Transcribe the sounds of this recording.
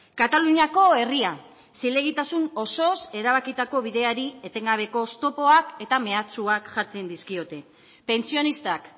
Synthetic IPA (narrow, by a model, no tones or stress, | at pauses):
kat̪aluɲiako̞e̞ria | sile̞ɣ̞it̪asuno̞so̞se̞ɾaβ̞akit̪ako̞β̞iðe̞aɾie̞t̪e̞ŋɡaβ̞e̞ko̞st̪o̞po̞ake̞t̪ame̞at͡suakʝaɾt͡se̞nd̪iskio̞t̪e̞ | pe̞nt͡sio̞nist̪ak